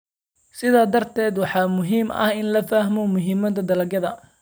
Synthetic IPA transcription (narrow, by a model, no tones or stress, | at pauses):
sɪðaːd̪ɐrt̪ʰɛːd̪wɑħɑːmʊɦiːmɐ̰hɪnlɐfɐɦmɔmʊɦiːmɐt̪ʰɐd̪ɐlɐɡɐðɐ